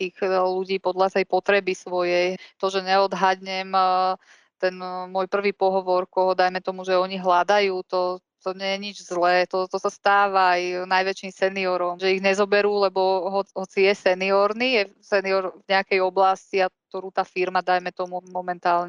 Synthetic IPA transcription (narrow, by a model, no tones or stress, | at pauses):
t̪iːɣluɟiːpɔd̪lat̪ɛjpɔt̪ɾɛbisʋɔjɛjt̪ɔʒɛɲɛɔd̪ɦad̪ɲɛm | t̪ɛnmɔjpr̩ʋiːpɔɦɔʋɔɾkɔɦɔd̪ajmɛt̪ɔmuʒɛɔɲiɦlad̪ajuːt̪ɔ | t̪ɔɲɛjɛɲid͡ʒzlɛːt̪ɔt̪ɔsast̪aːʋaajnajʋɛt͡ʃiːmsɛniɔɾɔmʒɛiɣɲɛzɔbɛɾuːlɛbɔɦɔɦɔt͡sijɛsɛniɔɾnijɛsɛniɔɾvɲɛakɛjɔblasciat̪ɔɾuːt̪aːfiɾmad̪ajmɛt̪ɔmumɔmɛnt̪aːlɲɛ